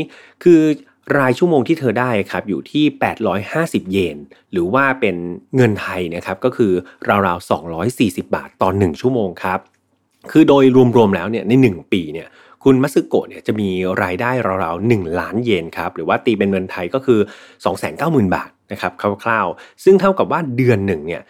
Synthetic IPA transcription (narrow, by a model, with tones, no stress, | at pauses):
kʰɯː˧ | ɾaː˧jt͡ɕʰu˥˩əmoː˧ŋt̪ʰiː˥˩t̪ʰɤː˧daː˥˩jʔa˨˩kʰa˦˥p̚juː˨˩t̪ʰiː˥˩pɛː˨˩t̪̚ɾɔː˦˥jhaː˥˩si˨˩p̚jeː˧nɾɯː˩˦waː˥˩pe˧nŋɤ˧nt̪ʰa˧jni˥˩ɐkʰa˦˥p̚kɔː˥˩kʰɯː˧ɾaː˧wɾaː˧wsɔ̰ː˩˦ŋɾɔː˦˥jsiː˨˩si˨˩p̚ba̰ː˨˩t̪ːɔː˨˩nɯ˨˩ŋt͡ɕʰu˥˩əmoː˧ŋkʰa˦˥p̚ | kʰɯː˧doː˧jɾu˧əmɾu˧əmlɛː˦˥wni˥˩ɐna˧jnɯ˨˩ŋpiː˧ni˥˩ɐ | kʰu˧nma˦˥t̪̚sɯ˦˥kːo̰ː˨˩t̪̚ni˥˩ɐt͡ɕa˨˩ʔmiː˧ɾaː˧jdaː˥˩jɾa˧wɾaː˧wnɯ˨˩ŋlaː˦˥njeː˧nkʰa˦˥p̚ɾɯː˩˦waː˥˩t̪iː˧pe˧nŋɤ˧nt̪ʰa˧jkɔː˥˩kʰɯː˧sɔː˩˦ŋsɛ̰ː˩˦nkaː˥˩wmɯː˨˩nba̰ː˨˩t̪̚na˦˥kʰa˦˥p̚kʰa˥˩kʰlaː˥˩wsɯ˥˩ŋt̪ʰa˥˩wka˨˩p̚waː˥˩dɯ˧ənːɯ˨˩ŋni˥˩ɐ